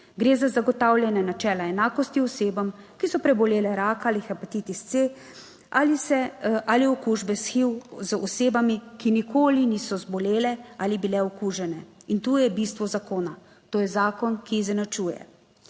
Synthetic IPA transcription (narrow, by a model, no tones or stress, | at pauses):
ɡɾeːzazaɡɔt̪awljɛnanat͡ʃɛːlaɛnaːkɔst̪iɔseːbamkisɔpɾɛbɔleːlɛɾaːkalixapat̪it̪ist̪se | ʔalisɛʔaliɔkuːʒbɛsxiwzɔseːbamikinikʰoːliniːsɔzbɔleːlɛalibilɛɔkuːʒɛnɛint̪uːjɛbist̪ʋɔzakoːna | t̪oːjɛzaːkɔnkiːzɛnat͡ʃuːjɛ̰